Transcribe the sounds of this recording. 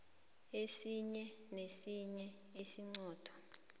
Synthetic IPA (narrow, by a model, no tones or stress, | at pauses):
esiɲɛ | nesiɲɛ | esiŋ͡ǀɔːd̥ʱɔ̥